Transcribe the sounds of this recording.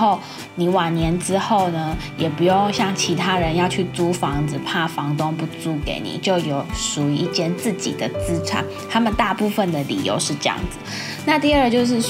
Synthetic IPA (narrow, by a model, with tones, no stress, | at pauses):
o˥˩ʊ | ni˨˩wɑ˨˩ŋnjɛ˧˥nʈ͡ʂɻ̩˥xo˥˩ʊnə˦jɛ˨˩pu˧˥jo˥˧ŋɕjɑ˥˩ŋt͡ɕʰi˧˥t̪ʰa˥ɻə˧˦njɑ˥˧ʊt͡ɕʰy˥˩t͡su˥fɑ˧˥ŋd͡zɹ̩˧pʰa˥˩fɑ˧˥ŋt̪ʊ˥ŋpu˧˩t͡su˥kḛ˧˥ɪnḭ˨˩t͡ɕjo˥˩ʊjo˨˩˦ʊʂu˨˩y˧˦i˥˧t͡ɕjɛ˥˧nt͡s̩˥˩t͡ɕḭ˨˩d̪ə˦t͡sɹ̩˥ʈ͡ʂʰa̰˨˩˦n | t̪ʰa˥mə˨nt̪a˥˧pu˥˧fə˨˩nd̪ə˩lḭ˨˩jo̰˧˥ʊʂɻ̩˥˧ʈ͡ʂɤ˥˧jɑ̰˥˩ŋd͡zɹ̩˩ | na˥˧t̪i˥˧ə˞˥˧t͡ɕjo˥˧ʊʂ̬ɻ̩˥˩